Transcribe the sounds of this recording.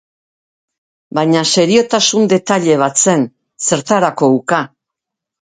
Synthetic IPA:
bajɲase̞ɾio̞t̪asund̪e̞t̪aʎe̞β̞at͡se̞n | se̞ɾt̪aɾako̞uka

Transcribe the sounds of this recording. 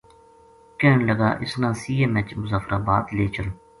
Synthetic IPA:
keːnləɡa̰ːʔɪsnãːsiːeːmɛt͡ʃmʊzaːfɾʔaːbaːt̪leːt͡ʃəl

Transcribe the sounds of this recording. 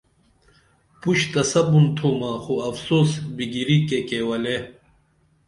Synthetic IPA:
puɕt̪ɐsɐbunt̪ʰoːmaːxoɐfsoːsbiɡiɾikekewɐle

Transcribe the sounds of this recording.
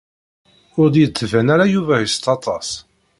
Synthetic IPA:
ʊɾd̪jt͡s̪ːvænæɾajuvæjəst̪ɑt̪ˤɑs

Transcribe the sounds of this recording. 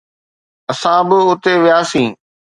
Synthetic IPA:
ɐsãbɪʊt̪eʋijaːsĩː

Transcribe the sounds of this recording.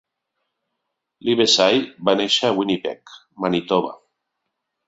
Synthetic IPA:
liβesajbaneʃaawinipɛ̰k | manit̪oβa̰

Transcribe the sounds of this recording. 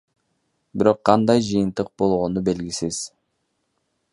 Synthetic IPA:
biɾo̞qʰːɑnd̪ɑjd͡ʒɯjɯnt̪ɯq̚bo̞lˠʁonube̞lɡisiz̥

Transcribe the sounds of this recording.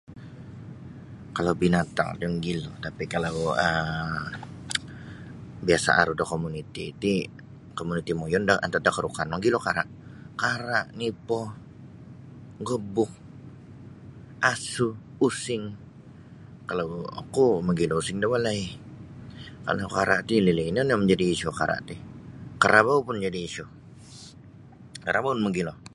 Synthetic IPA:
kalawbinat̪a̰ŋdəŋɡilot̪apikalawə | biasa̰ʔa̰ɾudɔkomunit̪iːt̪i | komunit̪imojɔndaʔa̰nt̪ad̪akəɾukanmaɡilokaɾaʔ | kaɾaʔnipɔ | ɡobʊk̚ | ʔasu | usɪŋ | kalawa̰kuməɡilɔusɪŋdawalai | ka̰lakaɾa̰ʔt̪ilileinɔnjaməɲd͡ʒadiːʃuka̰ɾa̰ʔt̪ɪkəɾabaupʊnd͡ʒadiːʃu | kaɾabaunməɡilɔ

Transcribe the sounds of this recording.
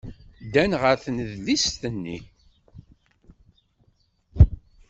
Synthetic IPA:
d̪ænʁəɾθnəðlist̪ənːḭ

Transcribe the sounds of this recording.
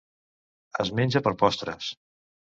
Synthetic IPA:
əzmenʲd͡ʒəpəɾpɔst̪ɾə̰s

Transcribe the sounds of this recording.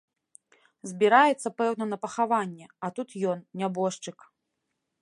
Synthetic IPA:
zʲbʲiɾajɛt̪sːɐpɛwn̪ɐnɐpɐxavanʲːɛɐt̪ut̪jɔnnʲabɔʂt͡ʂɨk

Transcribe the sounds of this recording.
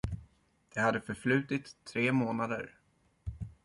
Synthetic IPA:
d̪̥ɛhad̪ːəfœɾflʉ̟ːt̪ɪt̪ʰːɾeːmoːnad̪ə̰ɾ

